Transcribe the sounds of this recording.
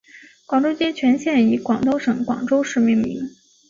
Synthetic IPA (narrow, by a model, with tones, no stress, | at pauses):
kwɑ˨˩ŋʈ͡ʂo˥ʊt͡ɕjɛ˥t͡ɕʰɥɛ˧˥nɕjɛ˥˩ni˧˥kwɑ˨˩ŋt̪o˥˧ʊʂɤ˨˧˥ŋkwɑ̰˨˩ŋʈ͡ʂo˥ʊʂɻ̩˥˧mi˥˩ŋmḭ˧˥ŋ